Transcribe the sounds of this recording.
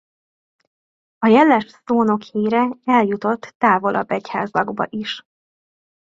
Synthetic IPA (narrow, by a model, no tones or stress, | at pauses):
ɒjɛlːɛʃsoːno̞kheːɾɛɛljut̪o̞t̪ːaːvo̞lʔɒ̰bːɛcha̰ːzlɒɡbɒ̰ʔiʃ